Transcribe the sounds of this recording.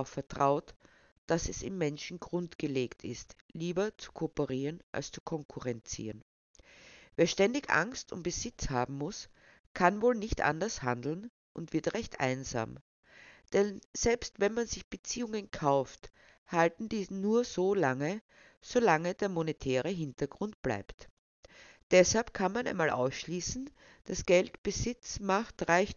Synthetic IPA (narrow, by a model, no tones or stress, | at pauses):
ʊfɛɐtʁ̥aʊt | d̥asɛsɪ̰mːɛnʃn̩ɡʁʊntɡ̥əleːktʰɪ̰stliːbɐt͡su̥kʰopəʁiːʁənʔa̰lst͡su̥kʰɔŋkʰʊʁɛnt͡sḭːʁən | veːɐʃtɛndɪçʔa̰ŋstʰʊ̰ntb̥əz̥ɪt͡shaːbm̩mʊs | kʰanvoːlnɪçtʔa̰ndɐsha̰ndl̩n | ʔʊntv̥ɪɐtʁɛçtʰʔa̰ɪnza̰ːm | d̥ɛnz̥ɛlpstvɛnmanz̥ɪçb̥ət͡siːʊŋənkʰaʊft | haltn̩diːznuːɐz̥oːlaŋə | z̥olaŋəd̥eːɐmonetʰɛːʁ̞əɦɪntɐɡ̥ʁʊnt̚b̥la̰ɪpt | d̥ɛshalp̚kʰanmanʔa̰ɪnmaːlʔa̰ʊsʃliːsn̩ | d̥asɡ̥ɛltb̥əzɪt͡smaχtʁaɪç